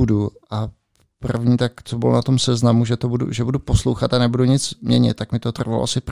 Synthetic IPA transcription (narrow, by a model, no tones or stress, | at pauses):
uduʔa | prr̩vɲiːt̪akt͡sobɪlonat̪o̞msɛznamuʒɛt̪obudṵʒɛbuduposlowxat̪anɛbuduɲɪt͡smɲɛ̰ɲɪ̰t̪tːakmɪt̪ot̪r̩valo̰ʔasɪp